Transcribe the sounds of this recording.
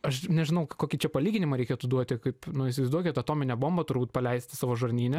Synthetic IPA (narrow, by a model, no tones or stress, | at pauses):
ɐʃnʲɛʒʲɪnɐʊkoːkʲɪt͡ʃʲɛpɐlʲiːɡʲɪnʲɪmɐɾʲɛɪkʲeɛt̪ʊd̪uɔt̪ʲɪkɐɪpnʊɪʃsʲɪʋɐɪzd̪uɔkʲɛt̪ɐt̪oːmʲɪnʲɛboːmbɐt̪ʊɾbuːt̚pɐlʲɛɪsʲt̪ʲɪsɑːʋoːʒɐrʲnʲiːnʲɛ